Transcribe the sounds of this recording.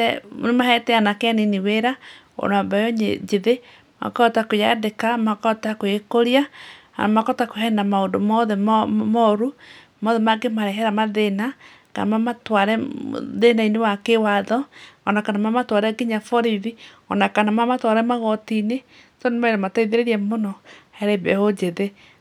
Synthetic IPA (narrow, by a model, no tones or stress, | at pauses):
ɛnemahɛtɛanakeaniniweɾa | o̰nabajoɲḛd͡ʒeðe | ma̰katakojadekamakɔtakoekoɾia | a̰makɔtakoɦɛndamaodomɔðɛmmɔɾu | mɔðɛmaɡemaɾɛɦɛɾamaðena | ka̰namamatwaɾɛ̰ðenainewakewaðɔːnakanamamatwaɾɛɡiɲafɔɾiðiɔ̰nakanamamatwaɾɛmaɣɔtine | tɔnemaiɾamataiðeɾeɾɛmonɔhɛɾɛbɛ̰hod͡ʒeðe